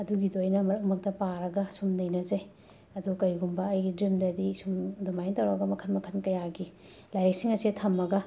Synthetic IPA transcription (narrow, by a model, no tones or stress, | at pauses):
ɐduɡidojnɐmɐɾɐkmɐk̚tɐpaɾɐɡɐsumnɐjnɐzɐj | ɐdukɐɾiɡumbɐːjɡidɾimdɐdisumdumajntɐwɾawɡɐmɐkʰɐnmɐkʰɐnkɐjaɡi | lajɾek̚siŋɐsitʰɐmːɐɡɐ